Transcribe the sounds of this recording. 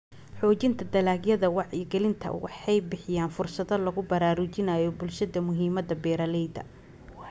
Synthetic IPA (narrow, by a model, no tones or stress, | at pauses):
ħɔːt͡ʃɪnt̪ʰɐd̪ɐlaːɡjɐðɐwɑʕjɐɡɛlɪnt̪ʰɐ̰wɑ̰ħɑjbɪħɪjaːnfʊrsɐðɐlɐɣʊbɐɾaːɾʊt͡ʃɪnɐjɔbʊlʃɐðɐmʊɦiːmɐðɐbɛːɾɐlɛjd̪ɐ̰